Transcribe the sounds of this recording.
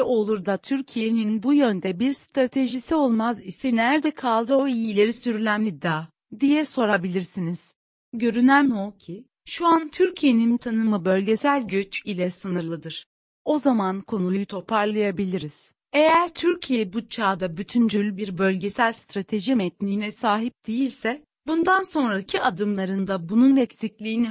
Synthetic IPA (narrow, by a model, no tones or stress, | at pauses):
o̞lˠuɾd̪at̪ʰyɾcʰijeninbujønd̪ɛbiɾst̪ɾat̪ʰe̞ʒisio̞lˠmazisinæɾd̪ɛkʰalˠd̪ɯo̞ijilʲe̞ɾisyɾylʲænid̪aː | d̪ijɛso̞ɾabilʲiɾsiniz̥ | ɟø̞ɾynæmocʰi | ʃuant̪ʰyɾcʰijenint̪ʰanɯmɯbø̞lʲɟe̞sælʲɟøt͡ʃilʲɛsɯnɯɾlˠɯd̪ɯɾ̥ | o̞zamankʰo̞nujujut̪ʰo̞pʰaɾlˠajabilʲiɾiz̥ | e̞jæɾt̪ʰyɾcʰijebut͡ʃʰaːd̪abyt̪ʰynd͡ʒylʲbiɾbølʲɟe̞sælʲst̪ɾat̪ʰe̞ʒimɛt̪nʲiːnɛsaːɦip̚d̪̥ejilʲsɛ | bund̪anso̞nɾacʰiad̪ɯmlˠaɾɯnd̪abununɾɛcsiclʲiːni